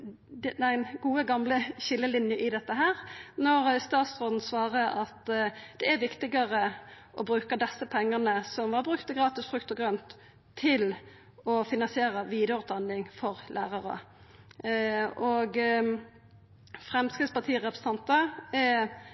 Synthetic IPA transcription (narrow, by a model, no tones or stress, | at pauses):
d̪æɪnɡuːəɡɑmləɕɪlːəlɪnjəʔɪd̪ɛt̪ːəɦæːʁnɔʁst̪ɑːt̪sʁoːd̪n̩sʋɑːʁəʔɑt̪d̪̥ɛæɾʋɪkt̪ɪɡəʁə | ʔɔbɾʉːkɑd̪ɛsːəpʰɛŋːənəsɔmʋɑɾbʁʉkt̪ːəɡʁɑːt̪ɪsfɾʁʉkt̪ɔɡʁœnt̪ʰː | ɪl | ɔfɪnɑnsɪeːʁəʋiːd̪əɾʉːt̪̚d̪ɑnlɪŋfɔʁlʔæːʁɑʁə̰ | ɔɡ | fʁɛmskʁɪt̪spɑʁt̪ʰiːʁɛpɾʁ̥s̩ɑnt̪əɛ